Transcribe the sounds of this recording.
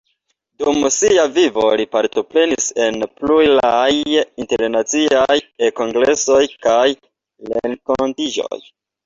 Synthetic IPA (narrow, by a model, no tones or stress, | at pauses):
dumsiavivo̞̰lipaɾto̞pɾe̞nise̞nplujlajinte̞ɾnat͡siajeko̞ŋɡɾe̞so̞jkaj | leŋkontid͡ʒo̰j